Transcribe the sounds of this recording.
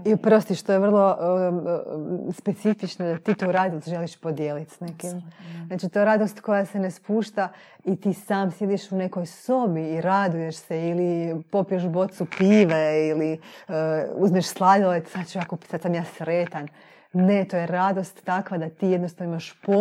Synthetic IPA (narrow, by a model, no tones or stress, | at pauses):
ipɾost̪iʃt̪ojeʋr̩lˠo̞ | spe̞t̪sifit͡ʃnod̪at̪iːt̪ouɾaːd̪ist̪ʒe̞liʃpo̞d̪jeːlit̪snekimznaːt͡ʃit̪o̞jeɾad̪o̞st̪ko̞jase̞nespuːʃt̪a | it̪iːsaːmsje̞d̪iʃune̞ko̞jso̞biːɾad̪uje̞ʃseilipo̞pijeʃbo̞t̪supiːʋeiliəuzmieʃslˠaʎolesat̪t͡ʃuakosad̪samjaːsɾeːt̪an | ne̞t̪oːje̞ɾad̪o̞st̪ːakʋad̪at̪iːjed̪nost̪aʋnoimaʃpo